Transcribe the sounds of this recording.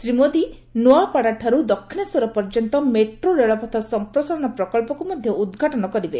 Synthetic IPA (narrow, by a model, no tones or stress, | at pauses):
sɾimod̪i | noapaɽaʈʰaɾud̪ɔkʰːinɔswɔɾɔpɔɾd͡ʒɔnt̪ɔmeʈɾoɾeɭɔpɔt̪ʰasɔmpɾɔsaɾɔñɔpɾɔkɔlpɔkumɔd̪ʱjɔʔud̪ɡʱaʈɔnɔkɔɾibe